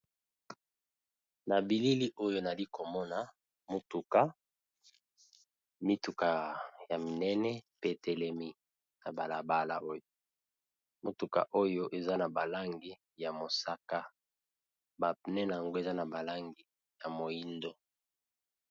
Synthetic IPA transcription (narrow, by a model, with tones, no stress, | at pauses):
na˨bi˨li˦li˦ʔo˦jo˦na˨li˦ko˨mɔ˦na˨ | mo˨tu˨ka˦ | mi˦tu˨ka˨ja˨mi˨nɛ˦nɛ˦pe˦˨tɛ˨lɛ˦mi˦ | na˨ba˨la˨ba˦la̰˨o˦jo˦˨ | mo˨tu˨ka̰˨ʔo˦jo˦ʔe˨za˦na˨ba˨la˦ŋɡi˦ | ja˨mo˨sa˦ka˦ | ba˨nɛ˦n˨a˨ŋɡo˦e˨za˦na˨ba˨la˦ŋɡi˦ | ja˨mo˨ji˦ndo˦